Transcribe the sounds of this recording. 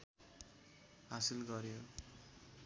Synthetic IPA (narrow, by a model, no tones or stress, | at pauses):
ɦasilɡʌɾjo